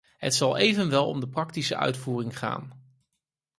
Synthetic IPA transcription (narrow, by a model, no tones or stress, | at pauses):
ɦə̰tsɑlˠejvənʋɛlˠɔ̰mdəprɑktisəʔœ̰ɥtfuːrɪŋχa̰ːn